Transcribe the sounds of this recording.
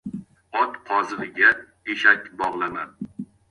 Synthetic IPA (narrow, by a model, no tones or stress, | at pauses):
ɒt̪qʰɒzɨlɪɡʲa | eʃakʲbɒʁlˠana